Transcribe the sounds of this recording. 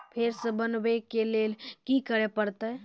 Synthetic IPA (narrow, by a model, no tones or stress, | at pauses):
pʰeɾsə̃bənbɛkelelkikəɾepəɾt̪ə